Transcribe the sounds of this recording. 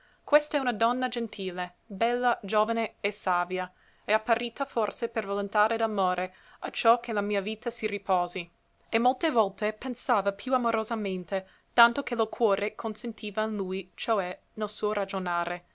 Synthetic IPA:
kwest̪aɛunad̪ɔnːad͡ʒent̪ʰiːle | bɛlːad͡ʒoːvaneːsaːvja | ɛapːaɾiːt̪aforsepervalent̪aːɾed̪amoːɾʔe | at͡ʃɔkʰelamiːaviːt̪asiripɔːzi | emolt̪evɔlt̪epensaːvapʰjuamoɾozament̪e | t̪ant̪okelokʰwɔːɾekʰonsent̪ʰiːvainlujt͡ʃoɛ | nelsuːoɾad͡ʒonaːɾe

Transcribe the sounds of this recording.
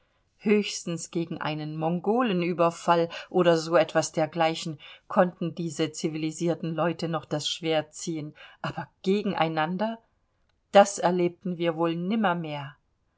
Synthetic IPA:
høːçstn̩sɡ̥eːɡŋ̩ʔa̰ɪnənmɔŋɡoːlənʔyːbɐfalʔoːɾɐzoːɛtv̥asd̥eːɐɡlaɪçn̩kʰɔntn̩diːzət͡siviliziːɐtn̩lɔʏtənɔχd̥asʃv̥eːɐt͡siːənʔaːbɐɡ̥eːɡŋ̩ʔa̰ɪnandɐ | d̥asɛɐleːp̚tn̩viːɐvoːlnɪmɐmeːɐ

